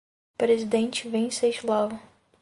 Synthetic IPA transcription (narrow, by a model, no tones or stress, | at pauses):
pɾezid̪ẽnt͡ʃɪvẽsejʃlavɐ